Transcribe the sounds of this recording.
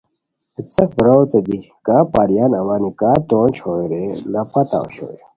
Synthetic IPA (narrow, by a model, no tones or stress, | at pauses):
it͡sɐk̚bɾowt̪ed̪i | kaːpaːɾijaːnɐwaːnikaːt̪oːnt͡ɕʰoiɾelɐpɐt̪a̰o̰ɕo̰e